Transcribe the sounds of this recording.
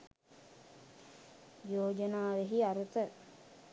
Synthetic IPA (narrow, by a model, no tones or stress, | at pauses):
joːd͡ʒənaːʋeɦiaɾut̪ə